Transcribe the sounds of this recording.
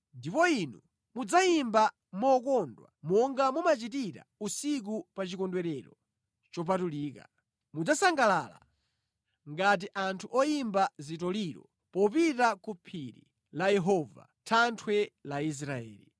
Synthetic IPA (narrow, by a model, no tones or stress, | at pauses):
ndipɔinu | mud͡zaimba | mɔkɔndwa̰mɔŋɡamumat͡ʃitiɾa̰usik̬upat͡ʃikɔndwɛɾɛɾɔ | t͡ʃɔp̬atuliːka̰ | mud͡zasaŋɡalaːla̰ | ŋɡat̬iʔantʰuʔɔjimbazitɔliɾɔ̰ | pɔpitakupʰiɾḭ | lajɛɦɔva̰tʰantʰwɛlais̬ɾaɛ̰ːli